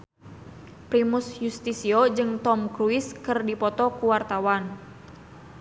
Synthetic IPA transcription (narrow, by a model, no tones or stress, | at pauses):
pɾimusjust̪isiɔd͡ʒɨŋt̪ɔmkɾuiskɨrdipɔt̪ɔkuwart̪awan